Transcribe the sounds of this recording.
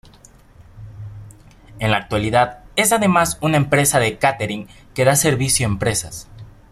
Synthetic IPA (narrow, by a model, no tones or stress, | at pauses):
e̞nlak̚t̪waliðaðe̞saðe̞masunaempɾe̞saðe̞kat̪eɾiŋ | ke̞ðase̞ɾβisjoempɾe̞sa̰s